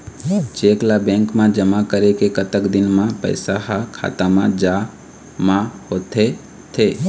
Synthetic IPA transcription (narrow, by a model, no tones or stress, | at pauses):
t͡ʃeːklabɛ̃ːŋkmãd͡ʒəmakəɾekekət̪əkd̪ɪnmãpə̰ɪsaɦakʰa̰ːt̪amãd͡ʒa | mãhoːt̪ʰe | t̪ʰeː